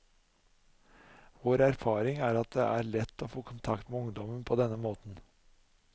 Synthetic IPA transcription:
ʋoːɾæɾfɑːɾɪŋæːɾɑt̪̚d̪ɛ̰ʔæːɾɭɛt̪ːoːfoːkʰʊnt̪ʰɑkt̪meʊŋd̪ɔmənpʰoːd̪ɛnːəmoːt̪n̩

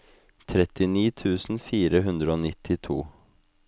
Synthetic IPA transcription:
t̪ʰɾɛt̪ɪniːt̪ʰʉːsn̩fiːɾəɦʉnd̪ɾəoːnɪt̪ʰːɪt̪ʰṵː

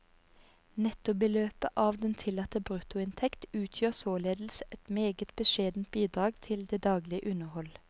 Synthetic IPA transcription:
nɛt̪ʊbəløːpəʔɑːʋd̪ɛnt̪ʰɪlːɑt̪əbʁʉt̪ʊɪnt̪ʰɛkt̪ʉːt̪ʰjøːʁsoːleːd̪l̩səɛt̪meːɡət̪b̥əʃeːd̪n̩t̪̚biːd̪ʁɑːɡt̪ʰɪld̪eːd̪ɑːɡlɪəʔʉnəhɔl

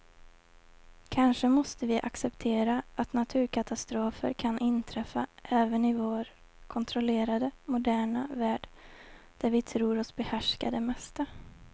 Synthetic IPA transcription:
kʰanʂəmɔst̪əvɪʔaksɛpt̪ʰeːɾaat̪nat̪ʰʉ̟ːɾkʰat̪ast̪ɾoːfə̰ɾkʰanʔɪnːt̪ʰɾɛfːaʔɛːvənɪvoːɾ | kʰɔnt̪ʰɾɔleːɾad̪əmʊd̪æːɳavæːɖ | d̪̥æɾvɪt̪ʰɾuːɾɔsbɛhæʂkad̪əmɛst̪a

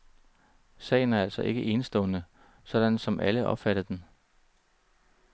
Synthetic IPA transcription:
sɛ̰ːɪn̩æɐælsɒ̽ʔe̝ɡ̥əʔe̝ːnsd̥ɔ̽ːnə | sɒ̽d̥ænsɒ̽mʔæləʔɒ̽b̥fæɾ̥ð̩ˠd̥en

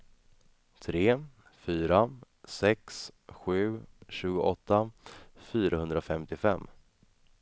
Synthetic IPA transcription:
t̪ʰɾeː | fyːɾa | sɛksɧʉ̟ːɕʉ̟ːɡʊʔɔt̪ːafyːɾaɦɵnd̪ɾaɔfɛmt̪ɪfɛmː

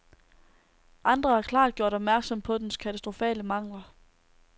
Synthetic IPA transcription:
ʔɑ̈nd̥ʁɐhɑ̈kʰlɑ̰̈ːd̥ɡ̥jo̝ɐ̰ɾ̥ɒ̽b̥mæɐɡ̥sɒ̽m̰pʰɒ̽d̥enskʰæt͡sʰæsd̥ʁo̝fɛ̰ːləmɑ̈ŋ̰lɐ

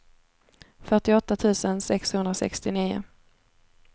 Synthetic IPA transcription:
fœʈɪɔt̪ːat̪ʰʉ̟ːsənsɛkshɵnd̪ɾasɛ̰kst̪ɪniːʊ̰

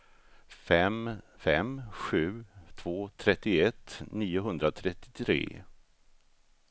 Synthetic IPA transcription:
fɛm | fɛmɧʉ̟ːt̪ʰv̥oːt̪ʰɾɛt̪ːɪɛt̪ːniːʊɦɵnd̪ɾat̪ʰɾɛt̪ːɪ̥t̪ʰɾḛː

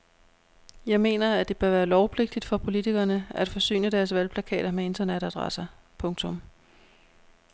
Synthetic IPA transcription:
jɑ̈ɪme̝̰ːnɐæd̥e̝b̥ɶɐʋæːɐlɒʊpʰle̝ɡ̥̚d̥id̥fɒ̽pʰo̝lit͡sʰiɡ̥ɐːnəæd̥fɒ̽sy̰ːnəd̥æɐsʋælpʰlækʰɛ̰ːɾ̥ɐmee̝nd̥ɐneɾ̥æd̥ʁɑ̰sɐ | pʰɔ̽ŋt͡sʰɔ̽m

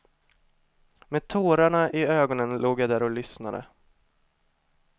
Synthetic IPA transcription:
meːd̪̚t̪ʰoːɾaɳaʔɪøːɡɔnənloːɡjad̪æːɾɔlʏsnad̪ə̰

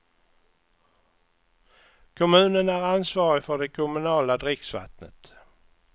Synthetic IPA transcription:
kʰɔmʉ̟ːnənæɾansvɑːɾɪfœɖɛkʰʊmɵnɑːlad̪ɾɪksva̰t̪nə̰t̪

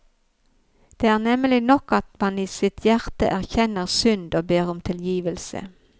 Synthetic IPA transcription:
d̪̥eːæːʁnɛməlɪnɔkɑt̪mɑniːsɪt̪ʰjæʁt̪ə̰ʔæʁçɛnəʁsʏnd̪oːbeːʁʊmt̪ʰɪljiːʋəlsə̰

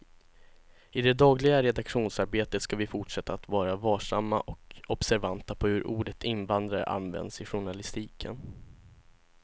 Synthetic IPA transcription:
ɪd̪ɛd̪ɑːɡlɪɡaɾɛd̪akɧuːnsaɾbeːt̪ət̪skavɪfʊʈʂɛt̪ːaːt̪vɑːɾavɑːʂamːa̰ʔɔkɔb̥sæɾvant̪ːapʰɔhɵɾʔuːɖət̪ʰɪnvand̪ɾaɾə̰ʔa̰nvɛ̰nd̪sɪɧʊɳalɪst̪iːkʰən

